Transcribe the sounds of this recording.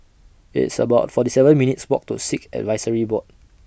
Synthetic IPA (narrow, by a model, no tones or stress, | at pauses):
ḭtsə̰baʊt̚fɔtisɛvə̃nminitswɔk̚tṵsikɛ̰dvaɪsəɹibɔt̚